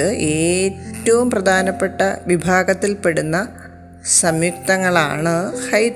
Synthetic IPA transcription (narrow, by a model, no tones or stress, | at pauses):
ɨʔeːtːɐʋumprɐd̪ʱaːnɐpːe̞ʈːɐʋibʱaːɡɐt̪ːilpe̞ɽunːɐ | sɐmjuk̚t̪ɐŋːɐɭa̰ːɳɨhɐj